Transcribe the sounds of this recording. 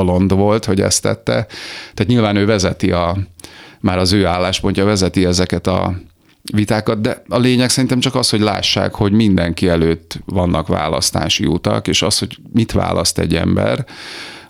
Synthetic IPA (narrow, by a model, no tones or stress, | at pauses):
lo̞nd̪ʋo̞lt̪ho̞ɟɛ̰st̪ɛ̰t̪ːɛ̰t̪ːaːt̪ɲilvaːnøːvɛzɛt̪iɒ | maːɾɒzøːaːlːaːʃpo̞ɲcɒvɛzɛt̪iɛzɛkɛt̪ɒ̰ | vit̪aːkɒd̪̚d̪ɛɒleːɲɛksɛɾint̪ɛmt͡ʃɒkɒsho̞ɟla̰ːʃːa̰ːkho̞ɟmind̪ɛŋkiɛløːt̪ːʋɒnːɒkʋa̰ːlɒ̰st̪a̰ːʃḭut̪ɒ̰keːʃɒsho̞ɟ | mit̪ʋa̰ːlʔɒst̪ɛ̰ɟːɛ̰mbɛ̰r